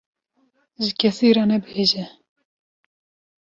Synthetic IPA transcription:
ʒɪkʰɛsiːɾɑnɛbheːʒɛ

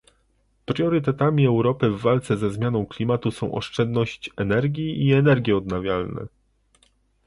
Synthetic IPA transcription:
pɾʲjɔɾɘt̪ɛt̪amʲiɛwɾɔpɘvːalt̪sɛzɛzmʲjanɔ̃w̃klʲimat̪usɔ̃w̃ʔɔ̰ʂt͡ʂɛnd̪nɔɕt͡ɕɛnɛɾɡʲiiɛnɛɾɡʲjɛɔd̪navʲjalnɛ̰

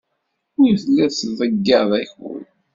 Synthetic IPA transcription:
ʊjθlːæðsðˤəɡːɑðˤæçwə̰l

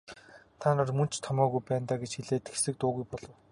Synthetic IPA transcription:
t̪ʰaːnaːrmɵn̥t͡ɕʰt̪ʰɔmœːɣujpæːnt̪aːɡet͡ɕxiɮeːt̪ɘ̆xe̥sɘ̆k̚t̪ʊːɣujpɔɮɞ̆w

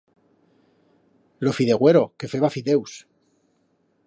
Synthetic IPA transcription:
lo̞fiðe̞ɣwe̞ɾo̞ke̞fwe̞βafiðe̞ws

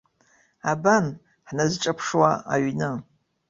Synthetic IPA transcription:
aban | ħnazʈ͡ʂʼapʰʂwaa̰ɥnɨ

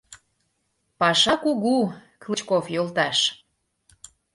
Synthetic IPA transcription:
pɑʃɑkuɣuklit͡ɕkofjolt̪ɑʃ

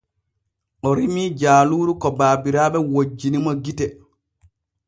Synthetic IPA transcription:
ʔɔɾimiːd͡ʒaːluːɾukɔbaːbiɾaːɓɛwod͡ʒːinimɔɡitɛ

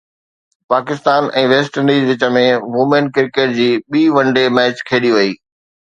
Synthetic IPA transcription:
paːkɪst̪aːnɛ̃ːʋeːsʈənɖiːzʋɪt͡ɕə̆mẽʋʊmenkɪɾkeʈ̚d͡ʑiːɓiːʋɐ̃ɳɖemɛːt͡ɕkʰeːɗiʋɐiː

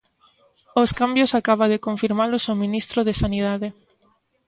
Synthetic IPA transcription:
oskambjosakaβ̞aðekoɱfiɾmalosominist̪ɾoðesaniðaðe

